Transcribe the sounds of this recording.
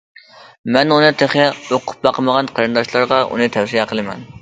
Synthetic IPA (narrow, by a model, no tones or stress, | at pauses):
mɛnunɨt̪ʰeχɛoqʰʊ̥p̚bɑqəməʁɑnqʰɑɾɨnd̪ɑʃlˠɑɾʁɑʔṵnɨt̪ʰɛwsijɛqʰəlˠɨmɛ̰n